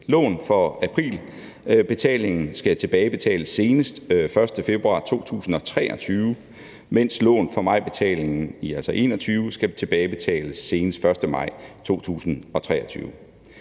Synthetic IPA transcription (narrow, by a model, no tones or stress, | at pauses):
lɔ̰̽ːnfɒ̽æpʰʁḭːl | b̥e̝t͡sʰɛ̰ːle̝ŋn̩sɡ̥æt͡sʰe̝b̥ɛːɪb̥e̝t͡sʰɛ̰ːləsːe̝ːnəsd̥fɶɐsd̥əfe̝b̥ʁuɑ̰̈ːt͡sʰo̝̰ːt͡sʰṵːsn̩ɒ̽t͡sʰʁɛ̰ːʔɒ̽t͡sʰyːʊ | men̰slɔ̰̽ːnfɒ̽mɑ̈ɪ̰b̥e̝t͡sʰɛ̰ːle̝ŋn̩iælsɒʔe̝ːnɒt͡sʰyːʊsɡ̥æt͡sʰe̝b̥ɛːɪb̥e̝t͡sʰɛ̰ːləsːe̝ːnəsd̥fɶɐsd̥əmɑ̈ɪ̰t͡sʰo̝̰ːt͡sʰṵːsn̩ɒ̽t͡sʰʁɛːɒt͡sʰyːʊ